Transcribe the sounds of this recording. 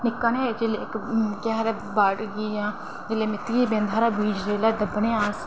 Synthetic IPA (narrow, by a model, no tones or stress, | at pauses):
nɪkːaned͡ʒelekkaɦɾe | baːʈɡiːjãː | d͡ʒɪlemɪt̪ːiibẽːnd̪ʱaːɾaːbiːd͡ʒɾeːlaːd̪əbnẽːaːs